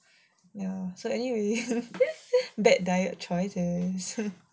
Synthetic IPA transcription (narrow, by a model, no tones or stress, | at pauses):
jasoɛniwe | bɛt̚dajət̚t͡ʃɔɪsɪs